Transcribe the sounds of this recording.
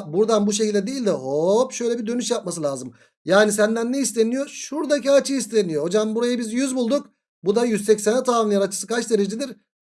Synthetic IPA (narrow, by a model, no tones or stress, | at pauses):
buɾd̪anbuʃ̬ecilʲd̪ʲɛd̪eilʲd̪ɛɦopʃø̞jlʲɛbid̪ø̞nyʃjap̚masɯlʲaːzɯm | jaːnis̬ænd̪ænːɛist̪ʰenijo̞ʃuɾd̪aciat͡ʃʰɯist̪ʰenijoho̞d͡ʒambuɾajɯbizjyzbulˠd̪uk | bud̪ajyzsɛcsenɛt̪ʰaːmnjaɾat͡ʃʰɯ̥sɯkat͡ʃd̪e̞ɾed͡ʒid̪iɾ